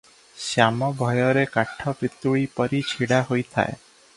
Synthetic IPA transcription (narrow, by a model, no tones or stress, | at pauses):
sjamɔbʱɔjɔɾekaʈʰɔpit̪uɭipɔɾit͡ʃʰiɽaɦojt̪ʰa̰e